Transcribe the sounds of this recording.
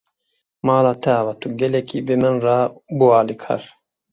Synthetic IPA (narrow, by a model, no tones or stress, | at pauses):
mɑːlaːt̪ʰɛavat̪uɡɛlɛkʰiːbemɨnrabuaːlikʰɑ̰ɾ